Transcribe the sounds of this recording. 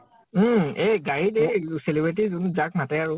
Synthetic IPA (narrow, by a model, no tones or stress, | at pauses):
eɡaɹideselibɹt̬izunzak̚matɛaɹʊ